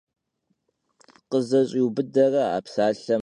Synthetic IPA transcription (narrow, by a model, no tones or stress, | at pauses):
qəzɐɕʼiwbɨdɐrɐa̰ːpsaːɬɐ